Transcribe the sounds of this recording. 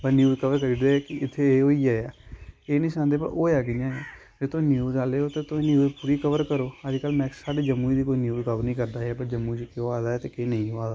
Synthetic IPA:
bənjuːzkəʋəɾkəɾiːd̪eːkɪɪt̪ʰːeːeːɦoːiːaːaːeːnĩːsãːnd̪eːpə̰oːjaːkɪjãːjaː | d͡ʒeːt̪ʊ̃ːnjuːzaːleːoːt̪eːt̪ʊẽːnjuːzpuːɾiːkəʋəɾkəɾoːad͡ʒkəlmɛ̃ːsaːɖeːd͡ʒəmːuːiːd̪iːkoːiːnjuːzkəʋəɾnĩːkəɾd̪aːapəɾd͡ʒəmːuːiːt͡ʃkeaːd̪aːɛːt̪eːkeːnəĩːoaːd̪a

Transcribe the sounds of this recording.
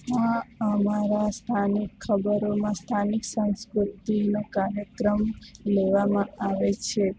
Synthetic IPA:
ɦaəmaɾast̪ʰanikʰːəbəɾomãst̪ʰaniksə̃ñskɾut̪inokaɾjəkɾəmleʋamãaʋet͡ʃʰe

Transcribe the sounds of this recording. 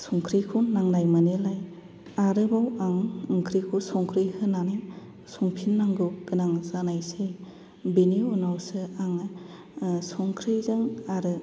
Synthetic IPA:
sɔŋkʰɾikʰunːaŋnajmanelaj | aɾɯbawaŋɯŋkʰɾikʰusɔŋkʰɾijhɯnanaj | sɔŋpʰinːaŋɡɯɡɯnaŋzanajse | biniɔnawsɯaŋ | sɔŋkʰɾizaŋaɾɯ

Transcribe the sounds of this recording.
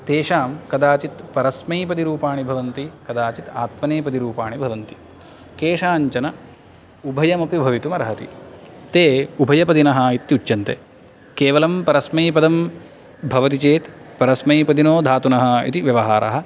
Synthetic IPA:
t̪eːʃaːmkɐd̪aːt͡ʃit̪pɐɾɐsmɐjpɐd̪iɾuːpaːɳibʱɐʋɐnt̪ikɐd̪aːt͡ʃit̪a̰ːt̪mɐneːpɐd̪iɾuːpaːɳibʱɐʋɐnt̪i̥ | keːʂaːɲt͡ʃɐnɐ | ubʱɐjɐmɐpibʱɐʋit̪umɐɾɐɦɐt̪ḭt̪eːubʱɐjɐpɐd̪inɐɦɐit̪ːut͡ʃːjɐnt̪e | keːʋɐlɐmpɐɾɐsmɐjpɐd̪ɐm | bʱɐʋɐt̪it͡ʃeːt̪pɐɾɐsmɐjpɐd̪inoːd̪ʱaːt̪unɐɦɐḭt̪iʋjɐʋɐɦaːɾɐ̰ɦɐ̆

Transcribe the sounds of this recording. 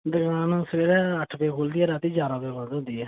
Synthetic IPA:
d̪əɡaːnsəɾeːɾɛːəʈʰpeːkʰoːld̪iɛːɾaːt̪iːd͡ʒaːɾaːpeːboːd̪õːd̪iːɛː

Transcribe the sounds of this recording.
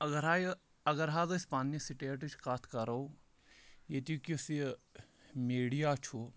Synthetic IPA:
ɐɡəɾaːj | ɐɡəɾɦaːd̪ospaːnjəsiʈeːʈt͡ʃʰkaːt̪ʰkɐɾou | jet̪ukisi | meːɽijaːt͡ʃʰu

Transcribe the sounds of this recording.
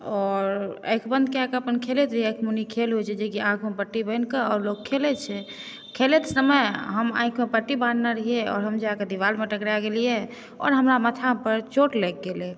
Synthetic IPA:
ɔɾə̰jkʰbənd̪̚keãkəpənkʰelet̪ɾəɦiəkʰmunikʰelɦojt͡ʃʰɛd͡ʒekiãkʰmepəʈːibəɪnkəɔːɾlokʰːelɛt͡ʃʰɛ | kʰelet̪səməjɦəmã̰ĩkʰmepəʈːibannaɾəɦieɔ̰ːɾɦəmd͡ʒaaked̪iʋalmeʈəkɾaɡelijɛ | ɔ̰ɾɦəmɾamət̪ʰapəɾt͡ʃoʈlɛk̚ɡelɛ

